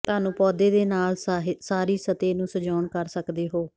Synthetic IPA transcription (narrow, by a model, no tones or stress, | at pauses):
t̪ʊaːnũːpɔːd̪eːd̪eːnaːlsaːɾiːsət̪eːnũːsəd͡ʒaːɳkəɾsəkd̪eːɦoː